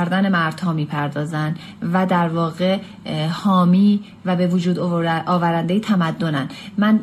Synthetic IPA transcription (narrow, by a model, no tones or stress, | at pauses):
ɾd̪ænemæɾd̪̥hɒːmiːpʰæɾd̪ɒːzæn | væd̪æɾvɒːɣe | hɒːmiː | væbevod͡ʒuːd̪ɒːvæɾænd̪ejet̪ʰæmæd̪ːonænmæn